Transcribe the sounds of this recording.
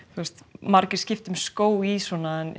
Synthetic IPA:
θust̪maɾcɪɾ̥scɪft̪ʏmskoːwisɔːnaɛn

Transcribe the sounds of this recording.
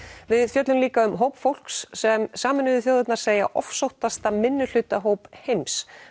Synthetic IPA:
vɪðfjœt̪lʏmliːkaʏmɦowpfowl̥ksːɛmsaːmɪnːʏðʏθjoːwðɪt̪naɾ̥seːja̰ʔɔ̰fsowht̪ast̪amɪnːʏl̥ʏt̪aɦoːwphejms

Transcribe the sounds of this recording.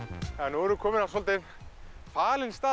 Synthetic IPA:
ɛnvɔɾʏkʰɔːmɪnavs̬ɔlt̪ɪn | faːlɪnst̪aː

